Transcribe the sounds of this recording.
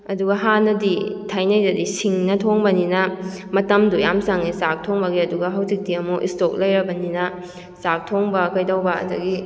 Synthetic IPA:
ɐduɡɐɦanːɐditʰajnɐjdɐdisiŋnɐtʰoŋbɐninɐmɐtɐmdujamsaŋnisak̚tʰoŋbɐɡiɐduɡɐɦɐwzik̚diɐmoʔḭstok̚lɐjɾɐbɐninɐ | sak̚tʰoŋbɐkɐjdawbɐɐ̰dɐɡi

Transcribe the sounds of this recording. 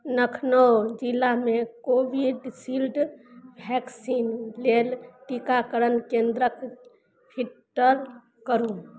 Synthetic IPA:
nəkʰnəd͡ʒilːamekobiɖsilɖbʱɛksinlelʈikakəɾənkẽnd̪ɾək | pʰiʈːəɾ | kəɾũ

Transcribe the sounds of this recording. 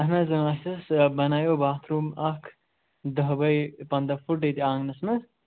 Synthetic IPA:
ɐɦnɐzɐŋasɐsbɐnaːjoːbaːt̪ʰɾuːmɐkʰ | d̪ɐɦbɐjpɐnd̪ɐfuʈ̬et̪iãːŋɡnɐsnɐs

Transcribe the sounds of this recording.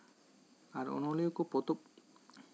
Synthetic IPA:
aɾo̰noleokopot̪o

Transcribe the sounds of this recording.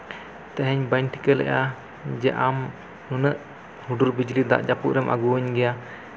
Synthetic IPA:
t̪ɛɦɛɲbaɲʈi̥kəlɛ̰ʔa | d͡ʒɛʔam | nunəʔ | huɖuɾbid͡ʒlid̪a̰ʔd͡ʒapuʔɾəmʔa̰ɡuəɲɡɛja

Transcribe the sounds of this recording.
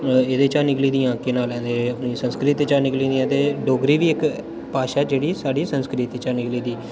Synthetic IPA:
eːd̪eːt͡ʃaːnɪkliːd̪ĩːãːkeːnaːlɛ̃ːd̪eːəpniːsənskɾɪt̪et͡ʃaːnɪkliːd̪iːɛ̃ːt̪eːɖoːɡɾiːʋiːɪk | paːʃaːd͡ʒeːɽiːsaːɖiːsənskɾɪt̪ːt͡ʃaːnɪkliːd̪iː

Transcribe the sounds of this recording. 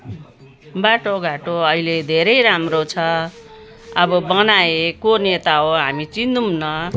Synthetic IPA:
baʈoɡʱaʈoʌɦiled̪ʱeɾʌjɾamrot͡sʰʌ | ʌbʌbʌnaekonet̪aɦoɦamit͡sind̪umnʌ

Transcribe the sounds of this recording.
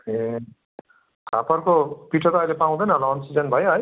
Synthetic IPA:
e | kʰa̰pʌrkopiʈʰʌt̪ʌːjlepaw̃d̪ʌjnʌlːnsid͡zʌnbʱʌjɦʌj

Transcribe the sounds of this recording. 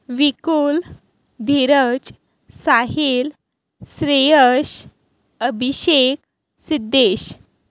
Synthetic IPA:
ʋikul | d̪ʱiɾət͡ɕ | saɦil | sɾejəɕ | əbʱiɕek | sid̪ːeɕ

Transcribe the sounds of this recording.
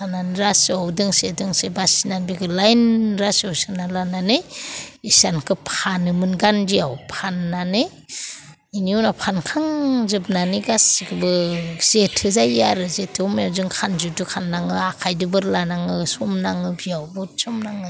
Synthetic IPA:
ananɾasawdɯŋsedɯŋsebasinanbikʰɯlajnɾasawsɯnalananejisankʰɯpʰanɯmɯnɡanbiawpʰanːanej | iniunapʰankʰaŋzɯbnaniɡasiɡɯbɯz̥etʰɯzajaɾɯzetʰɯɔmjawzɯŋkʰanzudɯkʰanːaŋɯakʰajdɯbɯɾlanaŋɯsɔmnaŋɯbijawbɔt̚sɔmnaŋɯ

